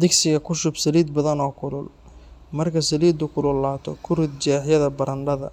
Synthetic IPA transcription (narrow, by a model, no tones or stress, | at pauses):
d̪ɪɡsɪɣɐkʰʊʃʊbsɐliːd̪̚bɐðɐnɔːkʰʊlʊl | mɐrkʰɐsɐliːd̪ʊkʰʊlʊlːaːt̪ʰɔ̰kʰʊrɪd̪̚d͡ʒɛːħjɐðɐbɐɾɐɳɖɐðɐ̰